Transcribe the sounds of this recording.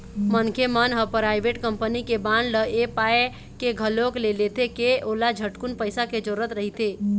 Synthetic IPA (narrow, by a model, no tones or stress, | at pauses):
mənkʰemənɦəpɾajbeʈkəmpənikebanləepae | keɡʱəloklelet̪ʰekeʔolad͡ʒʱəʈkunpəjsaked͡ʒoɾət̪ɾəɦit̪ʰe